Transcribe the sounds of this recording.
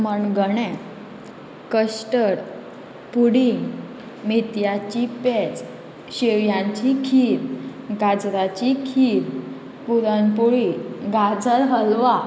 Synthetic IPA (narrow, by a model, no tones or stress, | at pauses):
məɳɡəɳɛ̃ | kəɕʈəɾ | puɽiŋɡ | mit̪jat͡ɕipɛt͡s | ɕeʋjãɲt͡ɕikʰiɾɡad͡zɾat͡ɕikʰiɾ | puɾənpuɭiɡad͡zəɾɦəlʋa